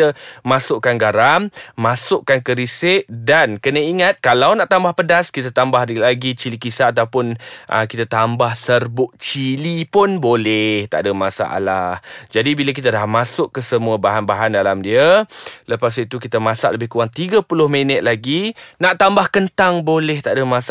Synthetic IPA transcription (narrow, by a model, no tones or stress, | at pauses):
kt̪əmasʊʔkanɡaɾamːasʊʔkankəɾisɪʔdankənəiŋat̪̚kalawnaʔt̪ambahpədaskit̪ət̪ambahlaɡit͡ʃilikisaːt̪awpʊnʔə̰kit̪ət̪ambahsərbʊʔ̚t͡ʃilipʊnbolɛht̪a̰ʔdəmasa̰ʔa̰lahd͡ʒadibilak̬it̪adahmasʊʔkːəsəmũəbaɦanbaɦandalamdiələpas̬it̪ukit̪əmãsa̰ʔləbɪhkuaŋt̪iɡəpulʊhmenət̪̚laɡinãʔt̪ambahkənt̪aŋbolɛht̪aʔdəmãsa